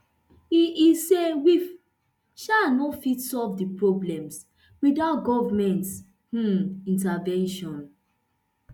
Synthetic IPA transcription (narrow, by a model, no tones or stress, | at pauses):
iisewif | ʃanɔtfitsɔlvdipɹɔblɛ̃ms | widaʊt̚ɡɔvmɛ̃nts | h̩ĩntavɛ̃nʃɔ̃n